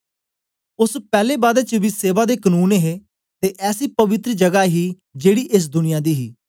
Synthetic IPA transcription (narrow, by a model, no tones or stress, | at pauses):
ʊspɛːleːbaːd̪et͡ʃəʋiːseːʋaːd̪eːkənuːnɦeː | t̪eːʔɛːsiːpəʋɪt̪ɾəd͡ʒəɡaːɦiː | d͡ʒeːɽiːʔɪs̬d̪ʊnɪjãːd̪iːɦiː